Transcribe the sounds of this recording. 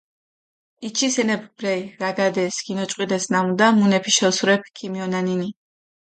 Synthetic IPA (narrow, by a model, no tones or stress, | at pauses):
it͡ʃʰisɛnɛbʰbɾɛjɾaɡad̪ɛsɡ̥inɔt͡ʃʼqʼwid̪ɛsnamud̪amunɛpʰiʃɛsuɾɛp̚ʰkʰimiɔnanini